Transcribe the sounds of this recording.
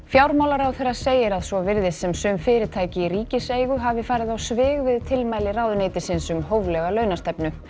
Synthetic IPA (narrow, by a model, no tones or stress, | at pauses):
fjawɾmawlaɾawθejɾːḁseːjɪɾaðsvɔvɪɾðɪsɛmsʏmfɪːɾɪɾt̪ʰaːjcɪiɾiːcɪseːjɣʏɦavɪfaːɾɪðawsvɪːɣvɪðt̪ʰɪlmaːjlɪrawðʏnejt̪ɪsɪnsʏmɦowvlɛɣalœːɥnast̪ɛpnʏ